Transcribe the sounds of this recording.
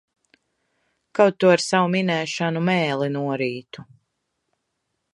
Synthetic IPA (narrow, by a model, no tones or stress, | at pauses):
kawt̪ːuaɾsawuminɛːʃanumɛːlˠinuɔɾiːt̪u